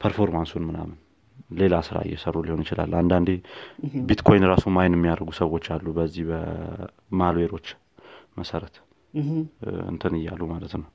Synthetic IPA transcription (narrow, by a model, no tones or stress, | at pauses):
pʰəɾfo̞ɾmansunmɨna̰mɨn | le̞lasɨɾa̰jːɛsərːuliho̞njɪt͡ʃɪla̰lːand̪and̪ebit̪kʰo̞jnɾasumajnɨmːijaɾɡusəwo̞t͡ʃːalːubəzːihbə | malweɾo̞t͡ʃː | məsəɾət̪ | ɨ̰nt̪ʰɨnɨjːalumalət̪nəw